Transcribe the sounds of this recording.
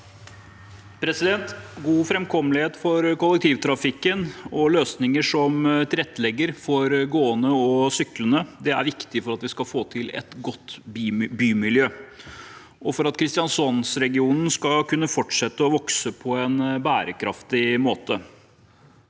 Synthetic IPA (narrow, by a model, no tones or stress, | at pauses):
pʰɾɛsɪd̪ɛnt̪ɡuːfɾɛmkʰɔməlɪheːt̪fɔɾkʊlɛk̚t̪ʰiːʋt̪ʰɾɑfɪkːənɔløːsnɪŋəʂɔmt̪ʰɪlɛt̪ːlɛɡːəɾfɔɾɡoːənəɔsʏklənəd̪ɛæ̰ɾʋɪkt̪ɪfɔɾɑt̪ʋɪskɑfoːt̪ʰɪlɛ̰t̪ɡɔt̪ːbyːmɪljøː | ʔɔfɔɾɑt̪kʰɾɪst̪ɪjɑnsɔnsɾɛɡɪuːnn̩skɑkʰʉnːəfɔʈʂɛt̪ːəɔʋɔksəpʰɔɛnbæːɾəkʰɾɑ̰ft̪ɪmoːt̪ə